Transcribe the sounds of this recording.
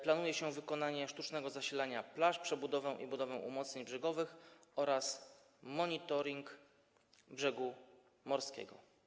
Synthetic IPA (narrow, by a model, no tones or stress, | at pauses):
planujɛɕɛvɘkɔnaɲɛʂt̪ut͡ʂnɛɡɔzaɕilaɲaplaʂpʂɛbud̪ɔvɛ̃ʔḭbud̪ɔvɛ̃ʔṵmɔt̪sɲeɲbʐɛɡɔvɘxɔɾas | mɔɲit̪ɔɾʲiŋk | bʐɛɡu | mɔɾskʲɛ̰ɡɔ̰